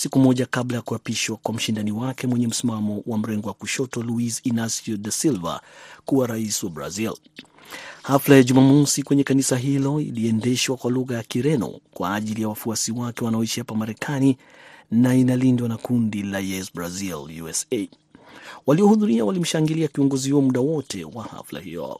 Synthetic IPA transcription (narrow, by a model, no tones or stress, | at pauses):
sikumɔʄakablajakuapiʃwakwam̩ʃindaniwakɛmwɛɲɛm̩simamɔwʔam̩ɾɛŋɡɔwakuʃɔtɔluisinasɔdasilva̰kuwaɾaisiwabɾa̰zil | haflajaʄumamɔsikwɛɲɛkanisaɦilɔḭliɛndɛʃwakwaluɣajakiɾɛnɔ̰kwaːʄilijawafuasiwakɛwanaɔiʃihapamaɾɛkʰani | nainalindwanakundilajɛsbɾaziljuɛse | waliɔhuðuɾiawalim̩ʃaŋɡiliakiɔŋɡɔzihuɔmuɗawɔtʰɛ̰waha̰fla̰hḭɔ̰